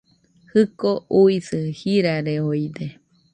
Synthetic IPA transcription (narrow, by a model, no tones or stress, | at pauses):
hɨkoʔuisɨhiɾaɾeojd̪e